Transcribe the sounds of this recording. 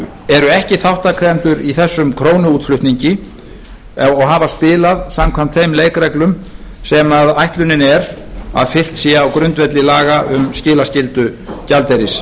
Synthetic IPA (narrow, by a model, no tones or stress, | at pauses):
ɛɾʏɛhcɪθawht̪akʰaɣɛnt̪ʏɾiθɛsːʏmkʰɾoːwnʏuːt̪flʏht̪niɲcɪ | ɔɣɦaːvaspɪːlaðsamkʰvam̥t̪ʰfejmleːjkɾɛklʏmsɛmaðajht̪lʏnɪnɛɾa̰ðfɪl̥t̪siːjaːwkɾʏnt̪vɛt̪lɪlaːɣaʔʏmscɪːlascɪlt̪ʏcalt̪ejɾɪs